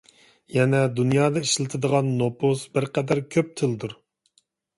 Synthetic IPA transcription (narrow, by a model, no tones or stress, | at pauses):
jɛnɛd̪unjɑːd̪ɑiʃlˠɨt̪ʰɨd̪əʁɑnːopʰosbɪɾqɛd̪æɾkʲʰøp̚t̪ʰɨlˠd̪uɾ